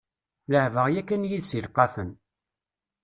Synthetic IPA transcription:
ləʕvəʁjækːənjiðsilqːɑfən

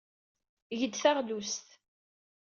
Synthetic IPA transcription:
ʝəd̪θaʁlust̪

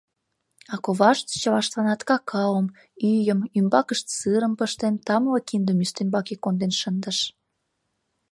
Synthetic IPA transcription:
ɑkoβɑʃt̪t͡ɕəβɑʃt̪ɑnɑt̪kɑkʰɑwəm | yjəmymbɑkəʃt̪sɨɾəmpəʃt̪ent̪ɑmələkind̪əmyst̪embɑkikːond̪enʃənd̪ə̆ʃ

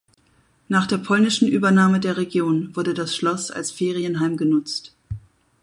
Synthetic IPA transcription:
naːχd̥eːɐpʰɔlnɪʃn̩ʔyːbɐnaːmədeːɐʁ̞eɡjoːnvʊɐdədasʃlɔsa̰lsfeːʁ̞iənɦaɪmɡənʊt͡st

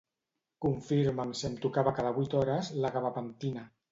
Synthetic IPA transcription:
kuɱfiɾmamsemt̪ukaβakaðaβit̪ɔɾəzlaɣaβapant̪ina

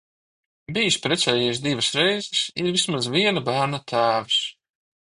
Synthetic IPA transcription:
bijispɾɛt̪sʲɛːjis̬d̪ivəsɾɛjzɛsiɾvismazviɛnabæːɾnat̪ʰaːvis

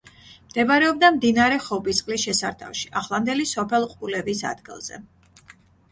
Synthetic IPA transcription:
md̪̥ɛbaɾɛɔb̚d̪amd̪inaɾɛχɔbisqʼlisʃɛsaɾt̪ʰa̰fʃi̥ʔaχlˠand̪ɛlisɔpʰɛlˠqʼulɛvisa̰d̪̥ɡḭlˠz̥ɛ̰

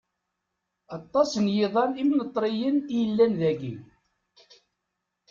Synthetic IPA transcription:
ɑt̪ˤːɑsənjɪðˤɑnimnət̪ˤːɾijənijəlːænðæɡḭ

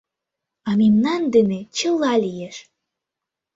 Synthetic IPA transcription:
ɑmimnɑnd̪enet͡ɕə̆lɑlʲijeʃ

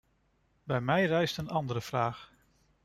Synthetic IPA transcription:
bɛjmɛjrɛjstənɑndəɾəv̥raːχ

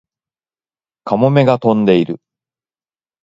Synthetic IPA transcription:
kamo̞me̞ɡat̪õ̞nd̪e̞iɾɯ̟

